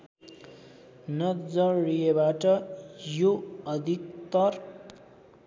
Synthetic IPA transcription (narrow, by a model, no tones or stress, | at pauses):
nʌd͡zʌɾijebaʈʌjoʌd̪ʱikt̪ʌr